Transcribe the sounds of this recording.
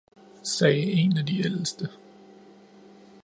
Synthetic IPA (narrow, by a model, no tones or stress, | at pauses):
sɛːe̝næd̥iel̰sd̥ə